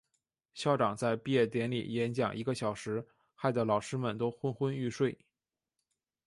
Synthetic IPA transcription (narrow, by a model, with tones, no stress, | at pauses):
ɕjɑ˥˩ʊʈ͡ʂɑ˨˩ŋt͡sa˥˧ɪpi˥˧jɛ˥˩t̪jɛ˧˥nlḭ˨˩jɛ˧˥nt͡ɕjɑ̰˨˩ŋʔi˧˥ɡə˧ɕjɑ˨˩ʊʂɻ̩˧˥ | xa˥˩ɪd̪ə˩lɑ˨˩ʊʂɻ̩˥mə˨nt̪o˥ʊxwə˥nxwə˥ny˥˧ʂwe˥˩ɪ